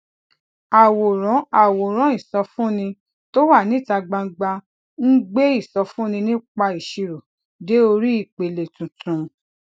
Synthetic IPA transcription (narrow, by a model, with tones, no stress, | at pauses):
a˨wo˨ɾɔ̃˨˦a˨wo˨ɾ̃ɔ̃˨˦i˦˨sɔ˧fũ˦nĩ˧ | to˦wa˦˨nĩ˨˦˨ta˧ɡ͡ba˧ŋ̩˧ɡ͡ba˧ | n̩˦ɡ͡be˦i˦˨sɔ˧fũ˦nĩ˧nĩ˦k͡pa˧i˨ʃi˨˧ɾo˨ | de˨˦o˧ɾi˦i˦˨k͡pe˨le˨tũ˨tʰũ˨˦